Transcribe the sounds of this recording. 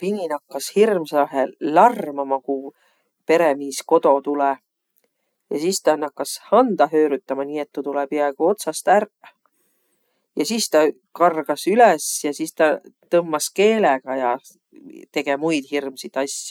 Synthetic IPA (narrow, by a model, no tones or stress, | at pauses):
pininɑkːɑshirmsɑɦelɑrmɑmɑku | pe̞ɾemiːsko̞d̪̥o̞t̪ulɛ | jɑsist̪ɑnɑkːɑshɑnd̪̥ɑɦøːɾyt̪ːˑɑmɑniːe̞t̪ːut̪ulɛpiɑeɡ̥uo̞t̪sɑst̪ær | jɑsist̪ɑ | kɑrɡ̥ɑsylɛsjɑsist̪ɑt̪ɤmːɑske̞ːleɡ̥ɑjɑ | t̪e̞ɡ̥e̞mujd̪̥hirmsit̪ɑsjɑ̥